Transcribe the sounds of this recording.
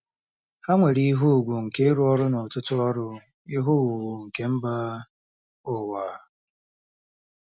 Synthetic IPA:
ha˦ŋʷe˨ɾi˦ɦu˦u˨ɡʷu˨ŋ̩˨ke˦ɾʊ˦ɔ˦ɾʊ˦nɔ˨tʊ˦tʊ˦ɔ˦ɾʊ˦ | i˦ɦʊ˦˨u˨wu˨ŋ̩˨ke˦m̩˦ba˦ | ʊ˦wa˨

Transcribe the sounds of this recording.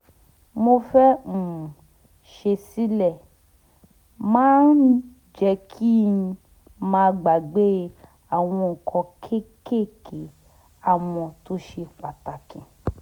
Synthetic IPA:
mo˧fɛ˦m̩˨ | ʃe˧si˦lɛ˦˨ | mãː˨˦n˦ | d͡ʒɛ˧kʰi˦˧ | mãː˧ɡ͡ba˨ɡ͡be˦ | a˦˨w̃ɔ̃˧ŋ̩˨kʰɔ̃˧kʰe˦ke˦˨kʰe˨˦ | a˦˨w̃ɔ̃˧to˦ʃe˧k͡pa˨ta˨kĩ˨

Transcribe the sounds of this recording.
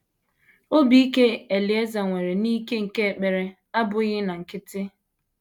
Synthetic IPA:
o˦bi˦i˦ke˦e˨li˨e˦za˨ŋʷe˨ɾe˨niː˦ke˦ŋ̩˨ke˦e˨k͡pe˨ɾe˨ | a˦bʊ˨ɣɪ˦na˨ŋ̩˨kɪ˦tɪ˦

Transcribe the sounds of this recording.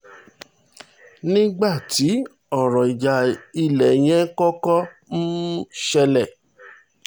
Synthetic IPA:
nĩ˦ɡ͡ba˦˨ti˨˦ | ɔ˦˨ɾɔ̃˨i˨d͡ʒa˨i˧lɛ˨j̃ɛ̃˦kɔ˦kɔ˦n̩˦ʃɛ˧lɛ˨

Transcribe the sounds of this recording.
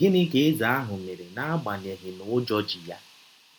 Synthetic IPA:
ɡɪ˦nɪ˦ke˦ɪ˦za˨a˦ɦʊ˨me˨ɾe˨na˦ɡ͡ba˨ɲe˨ɦɪ˨nʊ˨˦d͡ʒɔ˦d͡ʒi˨ja˦

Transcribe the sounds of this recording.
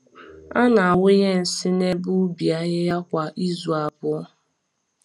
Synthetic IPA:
a˦na˨a˨wʊ˦je˦n̩˨sɪ˦ne˦bʊ˦bi˨a˦ɣɪ˦ja˦kʷa˨ʔi˦zu˨a˨bʊ˦ɔ˦

